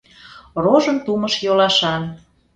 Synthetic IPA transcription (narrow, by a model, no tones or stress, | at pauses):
roʒənt̪uməʃjolɑʃɑn